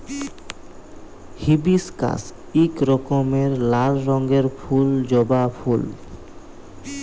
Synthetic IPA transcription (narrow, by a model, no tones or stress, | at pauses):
hibiska̰s | ikɾɔkomeɾlaɾɾɔŋɡeɾfʰuld͡ʑɔbapʰul